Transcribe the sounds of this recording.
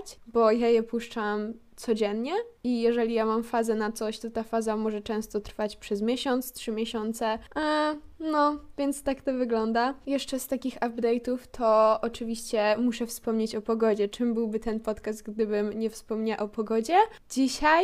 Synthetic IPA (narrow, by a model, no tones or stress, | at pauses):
t͡ɕbɔjajɛpuʂt͡ʂamt̪sɔd͡ʑɛnɲɛijɛʐɛlʲijamamfazɛnat̪sɔɕt̪ɔt̪afazamɔʐɛt͡ʂɛ̃w̃st̪ɔt̪ɾfat͡ɕpʂɛzmʲjɛɕɔnt̪stʂɘmʲjɛɕɔnt̪sɛ | nɔvʲjɛnt̪st̪akt̪ɔvɘɡlɔnd̪ajɛʂt͡ʂɛst̪akʲixabd̪ɛjt̪uft̪ʰɔɔt͡ʂɘvʲiɕt͡ɕɛmuʂɛfspɔmɲet͡ɕɔpɔɡɔd͡ʑɛt͡ʂɘmbɘwbɘt̪ɛnpɔt̪kast̪̚ɡd̪ɘbɘmɲɛfspɔmɲaʔɔpɔɡɔd͡ʑɛ | d͡ʑiɕaj